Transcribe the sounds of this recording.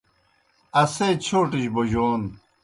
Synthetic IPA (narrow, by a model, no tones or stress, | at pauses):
ɐset͡ɕʰoːʈiɕboʑoːn